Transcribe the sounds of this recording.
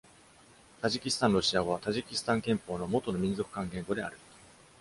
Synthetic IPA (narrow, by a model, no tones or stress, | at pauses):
t̪aʑikʲisɨ̥t̪ãnɾo̞ɕiaɡoβat̪aʑikʲisɨ̥t̪ãŋkẽ̞mpo̞ːno̞mo̞t̪o̞no̞mʲĩnzo̞kɯ̟̥kãŋɡẽ̞ŋɡo̞d̪e̞a̰ɾɯ̟